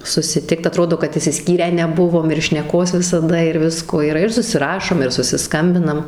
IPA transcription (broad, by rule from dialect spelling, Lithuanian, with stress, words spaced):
sʊsʲɪˈtʲɪkt ɐˈtroːdoː kɐt ɪʃʲsʲɪˈsʲkʲiːrʲæː nʲɛˈbʊʋoːm ɪr ʃʲnʲɛˈkoːs ʋʲɪsɐˈdɐ ɪr ˈʋʲɪskoː iːˈrɐ ɪr sʊsʲɪˈrɑːʃoːm ɪr sʊsʲɪˈskɐmʲbʲɪnɐm